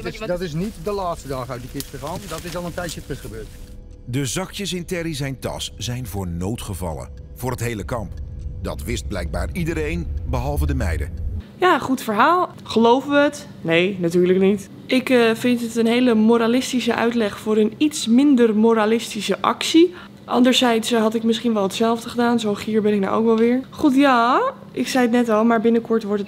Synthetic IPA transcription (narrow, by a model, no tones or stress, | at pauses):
dtɪsnitdəlaːtstədɑːχəœt̚dəkɪstəχaːndɔtɪsɑlˠəntɛjtjətrəχəbøːt | dəzɑkjəsɪntɛɾisɛjntɑ̰sz̥ɛjnvʊːɹnowtχəvɑ̰lə̰v̥ʊːɹətɦejləkɑmpdɑ̰tʋɪst̚blɛjɡ̚ba̰ːɹidəɾejnbəɦɑlˠvədəmɛ̰jdə̰jaχutfəɹɦaːlˠ | χəlowvəʋəət | nejnatyːɹləknit | ɪkvɪntətənɦejləmoɾalɪstisəʔœ̰ɥtlɛχfʊːɾənitsmɪndərmoɾalɪstisəʔɑ̰ksi | ʔɑ̰ndəɹzɛjtsɦɑtɪkmɪsχinʋɛlˠɦətsɛlˠvdəχədaːnzowχiːɹbɛnɪk̚na̰wʔo̰wkʋɛlˠʋɪːɹχutjaː | ʔɪksɛjətnɛtɑlˠmaːɹbɪnəkɔɹtʋɔɹtət